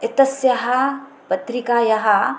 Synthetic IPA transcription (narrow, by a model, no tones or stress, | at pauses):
ɪt̪ɐsjɐɦɐ | pɐt̪ɾikaːjɐɦɐ